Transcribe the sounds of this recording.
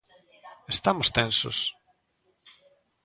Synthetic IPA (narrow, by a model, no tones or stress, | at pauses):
est̪amʊst̪ɛnsʊ̰s